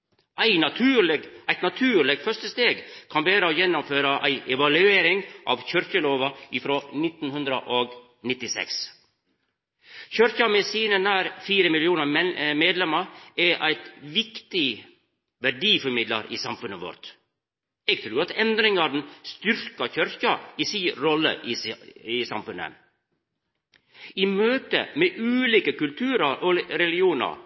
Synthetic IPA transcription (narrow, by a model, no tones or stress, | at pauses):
ʔæɪnɑt̪ʰʉːləɡʔæɪt̪nɑt̪ʰʉːɾlɛɡfœʂt̪əst̪eːɡkʰɑnbeːɾəɔjɛnːɔmføːɾəʔæ̰ɪʔɛʋɑlʉeːɾɪŋʔɑ̰ʋçœɾçəloːʋɑʔɪfɾoːnɪt̪ːnhʉnd̪ɾəʔoɡ | nɪt̪ːɪsɛ̰ks | çœɾçəmɛsiːnənæːɾfiːɾəmɪlɪuːnəɛmeːd̪lɛməɾɛʔæ̰ɪt̪ʋɪkt̪ɪ | ʋæɖiːfɔɾmɪd̪ləɾʔiːsɑmfʉnːəʋɔ̰ɾt̪ | ɛɡ̚t̪ʰɾʉːɾɑt̪ɛnd̪ɾɪŋɑd̪n̩st̪ʏɾkɑçœɾçɑisiːɾɔlːə̰ʔɪsɑmfʉnːə̰n | iːmøːt̪ə̰meːʔʉːliːkəkʉlt̪ʰʉːɾɑɾʔɔɾɛlɪuːnɑ̰ɾ